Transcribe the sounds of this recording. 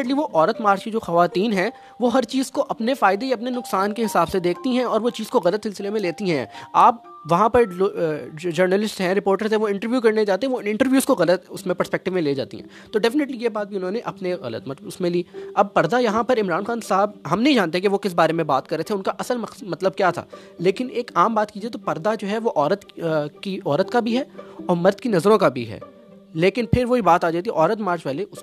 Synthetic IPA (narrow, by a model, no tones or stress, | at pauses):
ʈliʋoʔɔːɾət̪maːɾd͡ʒkid͡ʒoːxɐʋaːt̪iːnɦɛ̃ | ʋoɦɐɾt͡ʃiːzkoʔɐpnefaːɪd̪ejɐp̬nenʊksaːnkeɦɪsaːbsed̪eːkʰt̪iɦɛ̃ɔːɾʋot͡ʃiːzkoɣɐlət̪sɪlsɪlemẽleːt̪iɦɛ̰̃aːp̚ | ʋɐɦãpɐɾ | d͡ʒɐɾnəlɪsʈɦɛ̃ɾɪpoːɾʈəɾzɛ̃ʋoɪ̃ɳʈəɾʋjuːkɐɾned͡ʒaːt̪eɦɛʋoɪ̃ɳʈəɾʋjuːzkoɣɐlət̪ʊsmẽpɐɾspɛk̚ʈɪʋmẽleːd͡ʒa̰ːt̪ḭɦɛ̰̃ːt̪oɖɛːfɪnəʈlijebaːt̪̚bʱiʊnɦõːneʔɐpneɣɐ̰lə̰t̪mɐt̪əʊsmẽliːɐb̚pɐɾd̪ajɐɦãpɐɾɪmɾaːnxaːnsaːɦəbɦɐmnɐɦĩd͡ʒaːnt̪eɦɛkeʋokɪs̬baːɾemẽba̰ːt̪̚kɐɾːet̪ʰeʊnkaʔɐsəlmɐmɐt̪ləb̚kjaːt̪ʰa̰ː | leːkɪneːkaːmbaːt̪kiːd͡ʒiet̪̬opɐɾd̪ad͡ʒoːɦɛʋoʔɔːɾət̪kiʔɔːɾət̪kabʱiɦɛːɔːɾmɐɾd̪kinɐzɾõkabʱḭɦɛ̰ː | leːkɪnpʰɪɾʋoɦibaːt̪aːd͡ʒaːt̪iɛʔɔːɾət̪maːɾt͡ʃpɛɦleʔʊs